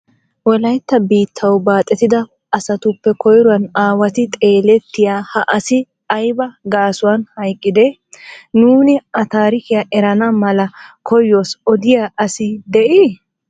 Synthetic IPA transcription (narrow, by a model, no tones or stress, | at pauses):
wɔlɐjt̪ːɐbiːt̪ʰːɐwbaːt̪ʼːɛt̪ɪd̪ɐ | ʔɐsɐt̪ʊpːɛkɔjɾʊwɐnaːwɐt̪ɪt̪ʼe̞ːlɛt̪ːɪjaːhɐʔɐsɪ | ɐjbɐɡaːsʊwɐnhɐjkʼːɪd̪ɛ | nuːnɪʔɐt̪aːɾɪkɪjaʔɛɾɐnɐmɐlɐkʰɔjːo̞ːsɔd̪ɪjaːʔɐsɪd̪ɛʔi